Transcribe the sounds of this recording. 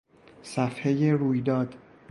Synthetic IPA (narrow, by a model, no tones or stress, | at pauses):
sæfhe̞je̞ɾuːjd̪ɒːd̪̥